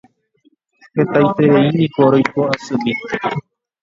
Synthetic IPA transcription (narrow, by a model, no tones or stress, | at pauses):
he̞t̪ajt̪e̞ʋeinĩkoɾojpoasɨmi